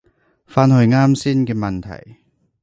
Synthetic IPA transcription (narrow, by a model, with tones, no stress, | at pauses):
faː˧nhɵ˧ɥŋaː˥msiː˥nkɛː˧mɐ˨nt̪ʰɐ̰˨˩j